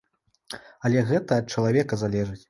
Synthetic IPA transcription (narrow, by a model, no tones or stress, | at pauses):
ɐlʲɛɣɛt̪ɐːt̪̚t͡ʂɐlˠavʲɛkɐzalʲɛʐɨt͡sʲ